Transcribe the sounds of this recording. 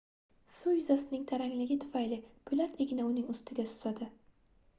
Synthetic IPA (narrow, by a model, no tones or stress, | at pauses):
sʊjʊzasɪnɪŋt̪ʰaɾaŋlɪɡʲɪt̪ʰʊ̥fajlɪpʰʊlat̪ʰeɡʲɪnaʊnɪŋʊst̪ʰɪɡʲasʊ̥zad̪ɪ